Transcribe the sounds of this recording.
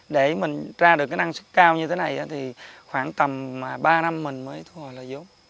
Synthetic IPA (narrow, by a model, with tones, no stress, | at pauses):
ɗe˧˩mï˨˩ŋ̟zaː˧ɗɨ˨˩kːaː˨˦nʔa˧ŋsɨ˦˥kkaː˧wɲɨ˧t̪ʰe˨˦na˨˩jʔaː˨˦t̪ʰi˨˩xwaː˧˩ŋt̪ə˨˩mmaː˨˩ɓaː˧na˧mːï˨˩ŋ̟məː˨˦jt̪ʰu˧hɔ˨˩jlaː˨˩zo˨˦m